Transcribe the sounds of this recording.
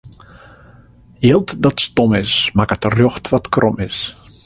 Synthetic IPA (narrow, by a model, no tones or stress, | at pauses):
jilˠtdɔtstomɪsmakətərjoxtʋɔtkrʔɔmɪs